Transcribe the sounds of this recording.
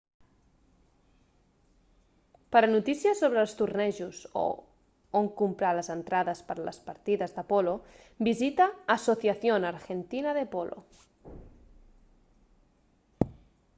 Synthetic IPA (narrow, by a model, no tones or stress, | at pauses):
paɾanut̪isjasoβɾelˠst̪urnɛʒuzo̰ | oŋkumpɾaləzent̪ɾaðəspəɾalə̰spaɾt̪iðəzðapolo | bizit̪aːsoθjaθjonaɾxent̪inəðepolʔo̰